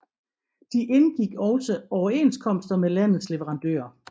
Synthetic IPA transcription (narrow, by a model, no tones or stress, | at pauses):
d̥iʔe̝nɡ̥iɡ̥ɒ̽ʊsəɒʊɐe̝̰nskʰɒ̽m̰sd̥ɐmelæn̰ð̩ˠsle̝ʋəʁɑ̈nd̥ø̰ːɐ